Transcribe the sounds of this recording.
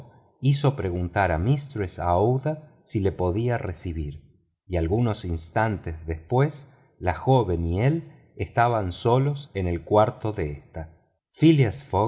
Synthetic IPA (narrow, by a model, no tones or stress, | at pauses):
iso̞pɾe̞ɣunt̪aɾamist̪ɾesa̰ða | sile̞po̞ðiaresiβiɾ | ialɣuno̞sinst̪ant̪ezðespwe̞s | laxoβe̞niel | est̪aβanso̞lo̞sene̞lkwaɾt̪o̞ðeest̪a | filiasfo